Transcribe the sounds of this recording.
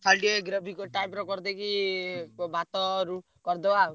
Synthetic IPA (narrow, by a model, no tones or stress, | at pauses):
sʰalɖieɡɾɔbʱikɔʈajmɾɔkɔɾd̪eki | bat̪ɔɾu | kɔɾd̪ɔa